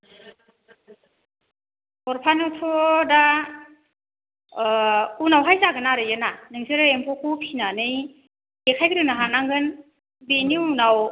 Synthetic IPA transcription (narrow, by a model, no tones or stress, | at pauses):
ɔɾpʰanɔtʰɔda | unawɦajzaɡɯnaɾɯjɯnanɯŋzɯɾɯempʰɔkʰupʰinanɯj | ɡekʰajɡɯɾɯnaɦanaŋɡɯn | beniunaw